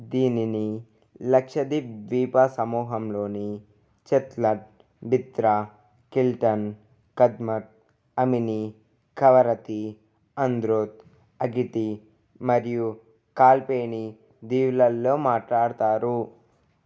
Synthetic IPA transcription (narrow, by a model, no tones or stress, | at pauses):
d̪iːnini | lɐkʂɐd̪iʋiːpɐsɐmuːɦɐmloːni | t͡ʃet̪lɐʈ̚ | bit̪ɾa | kilʈɐn | kɐd̪mɐʈ̚ | ɐmini | kɐʋɐɾɐt̪i | ɐnd̪ɾoːt̪̚ | ɐɡiʈ̪i | mɐɾiju | kaːlpeːni | d̪iːʋlɐlːoːmaːʈlaːɽt̪aːɾu